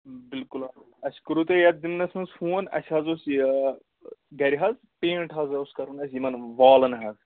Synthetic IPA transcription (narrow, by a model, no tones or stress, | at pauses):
bilkulɐ | ɐskuɾut̪ɐjɐt̪̚d̪imnɐsʲmɐnsfuːɐnɐ̰sʰʲɦɐzos | ɡɐɾʲiɦɐz | pẽːɳʈɦɐzɐuskɐɾunɐsʲjimɐnʋaːlɐnɦɐz